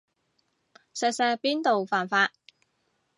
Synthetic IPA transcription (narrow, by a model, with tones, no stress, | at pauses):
sɛː˨sɛː˧piː˥nt̪o˨wfaː˨˩nfaː˧t̚